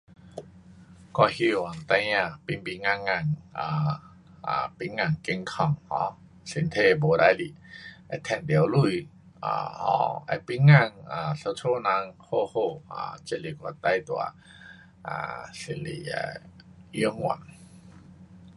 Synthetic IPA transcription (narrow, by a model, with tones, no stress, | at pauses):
kɔ˧hi˧wa˨˩˨nt̪a˧˦jã˧˨pi˧˨nbi˧ŋa˧ŋːa˧˩ŋa˨˩ | a˨pi˧˦ŋa˧˨ŋke˧ŋkʰɔ˧˩ŋhɔ̰̃˧˦ | se˧˨nt̪ʰe˧bo˨˦da˧˦jli˧˨a˧˦t̪ʰɛ˧˩ndi˨wlu˧˨j | ʔa̰˧˩hɔ̰˧a̰˧pi˧˦nŋa˧˨ŋa˨sa˧tʰo˧˦˨na˧ŋho˧ho˧˩a̰˧˩t͡ɕe˧˦˨li˨˩kwa˧˩t̪a˧jt̪u˨a̰˦ | ʔa̰˧se˧˨lḭ˧˩˨a̰˧˦ji˧˦ŋu˧˨n